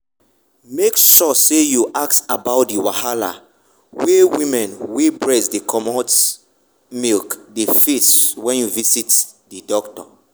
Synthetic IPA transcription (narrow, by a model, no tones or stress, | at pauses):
mekʃɔsejuʔak̚tabaʊt̚diwahala̰ | wewĩmɛ̃nwebɹɛsdekʰɔmɔt | milkdefeswɛ̃njuvisitdidɔktɔ̰